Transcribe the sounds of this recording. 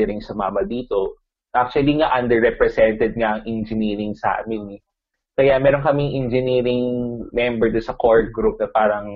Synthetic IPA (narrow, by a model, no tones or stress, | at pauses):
ɾɪŋsɐmaːmɐd̪iːt̪o̞ | ʔak̚t͡ʃʊwɐliŋaʔɐnd̪ɛɹɾɛpɾɛsɛnt̪ɛd̪̚ŋaʔɐŋʔɛnd͡ʒɪniːɾɪŋsɐa̰ːmɪnɛ | kɐjamɛːɾoŋkɐmɪŋʔɛnd͡ʒɪniːɾɪŋmɛmbɛɹd̪ʊnsɐkoɹd̪̚ɡɾup̚nɐpaːɾɐŋ